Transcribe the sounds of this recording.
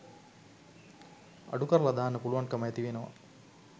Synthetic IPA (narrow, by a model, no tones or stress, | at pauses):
ɐ̰ɖukɐɾəlɐd̪aːnəpuluʋankɐməjɐt̪iʋenəʋa̰